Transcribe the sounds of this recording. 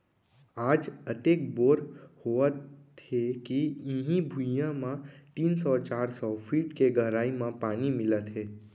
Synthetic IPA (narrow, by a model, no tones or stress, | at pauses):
aːd͡ʒət̪eːkboːɾhoːət̪hekiɪɦĩbʱujãmãt̪iːnsɔːt͡ʃaːɾsɔfʰiːʈkeɡəɦɾaːimãpaːnimɪlət̪ɦeː